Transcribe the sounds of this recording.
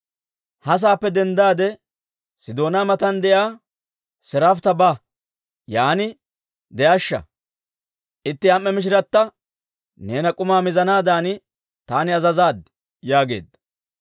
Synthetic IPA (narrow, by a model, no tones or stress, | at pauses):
hɐs̬aːpːɛd̪ɛnd̪aːd̪ɛ | sɪd̪o̞ːnaːmɐt̪ɐnd̪ɛjaː | sɛɾaft̪ɐbɐ | jaːnɪ | d̪ɛʔɐʃːɐ̰ | ʔɪt̪ːɪɐmːɛmɪʃ̬ɪɾɐt̪ːɐ | ne̞ːnɐkʼʊmaːmɪzɐnaːd̪aːnɪ | t̪aːnɪɐzɐzaːd̪ | jaːɡe̞̰ːd̪ɐ